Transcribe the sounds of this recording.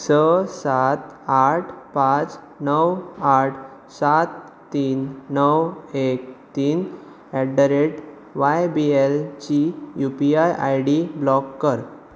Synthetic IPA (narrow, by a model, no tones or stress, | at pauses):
səsat̪aʈʰpãt͡s | nəwaʈʰ | sat̪ː | iːnːəwek̚t̪iːn | ɛɖəɾeʈ | ʋajbielt͡ɕijupiajʔa̰jɽiblɔkːəɾ